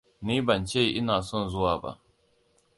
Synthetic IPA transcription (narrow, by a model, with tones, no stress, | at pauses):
niː˦bɐ˨nt͡ʃeː˦˨ʔɪ˦naː˨sɔ˦˨nzʊ˦waː˨ba̰˦ʔ